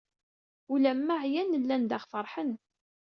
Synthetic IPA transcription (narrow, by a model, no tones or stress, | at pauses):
ulæmːaʕjænəlːænd̪aχfəɾˤħən